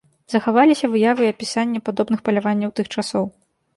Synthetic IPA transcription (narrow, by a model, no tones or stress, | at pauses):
zɐxavalʲisʲɐvɨjavɨɐpʲisanʲːɛpad̪ɔbnɨxpɐlʲavanʲːɐwt̪ɨxt͡ʂasɔw